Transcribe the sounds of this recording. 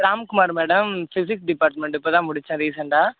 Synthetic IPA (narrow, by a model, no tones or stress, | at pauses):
ɾaːmkʊmaːɾmeːɽɐmsɪsɪksɖɪpaːɾʈmɛɳʈɪpːoːt̪ãːmʊɽɪt͡ʃːɐ̃ːɾiːsɐɳɖaː